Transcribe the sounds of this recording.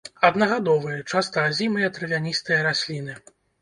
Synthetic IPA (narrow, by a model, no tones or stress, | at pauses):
ɐd̪nɐɣad̪ɔvɨjɐt͡ʂast̪ɐzʲimɨjɐt̪ɾɨvʲanʲist̪ɨjɐɾasʲlʲin̪ɨ